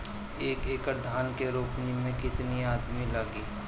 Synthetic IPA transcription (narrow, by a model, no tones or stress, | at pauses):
eːkeːkəɾd̪ʱaːnkeɾoːpnimẽkɪt̪niaːd̪milɐɡiː